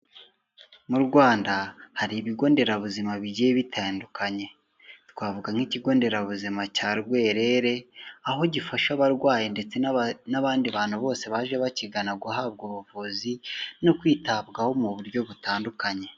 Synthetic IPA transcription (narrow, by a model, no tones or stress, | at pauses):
muɾɡwaːndahaɾiβiɡo̞ːnde̞ɾaβuzimaβiɟieβitʰaːndukʰaɲe̞ | twaːvuɡaŋiciɡo̞ːnde̞ɾaβuzimacaːɾɡwe̞ːɾe̞ɾe̞aɦo̞ɟifaʃaβaɾɡwaːje̞nde̞t͡se̞naβaːndiβaːn̥huβo̞ːse̞βaːʒeβaciɡanaɡuhaːbɡuβuvuːzinokwiːtabɡaho̞muβuɾɟo̞βutaːndukaɲe̞